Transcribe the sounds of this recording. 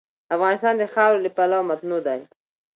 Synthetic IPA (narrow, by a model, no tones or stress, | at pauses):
afɣɑnɪst̪ɑnd̪əxɑwɾləpalawmat̪nud̪aj